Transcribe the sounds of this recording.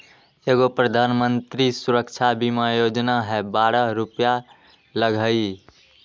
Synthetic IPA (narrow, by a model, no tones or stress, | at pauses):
eɡopɾəd̪ʱanmənt̪ɾisuɾəkt͡ʃʰabimajod͡ʒnaɦɛbaɾəɾupja | ləɡʱəi